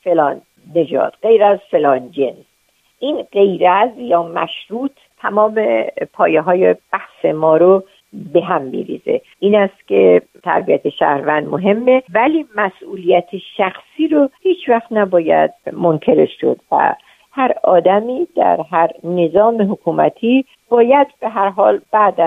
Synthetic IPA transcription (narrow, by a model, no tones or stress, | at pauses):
felɒːnː | e̞d͡ʒɒ̰ːd̪̥ɢe̞jɾæzfe̞lɒːnd͡ʒe̞ns | ʔiːnɢe̞jɾæzjɒːmæ̰ʃɾuːt̪ʰt̪ʰːæmɒːmepʰɒːjeɦɒːjeb̥æhsemɒːɾo | beɦæmːḭːɾḭːze̞̰ʔiːnæst̪kʲʰe | t̪ʰæ̰ɾbiæt̪ʰeʃæ̰hɾvænd̪moɦe̞mːevæliːmæsʔuːlijæt̪ʰeʃæxsiːɾohiːt͡ʃʰvæxt̪næbɒːjæ̰d̪̚mo̞ŋkʰe̞ɾeʃːo̰d̪væ̰ | hæɾɒ̰ːd̪æmiːd̪̥æ̰ɾɦæɾne̞zɒːmeɦokʰuːmæ̰t̪ʰiː | b̥ɒːjæd̪̚be̞ɦæɾɦɒːlb̥æʔd̪æ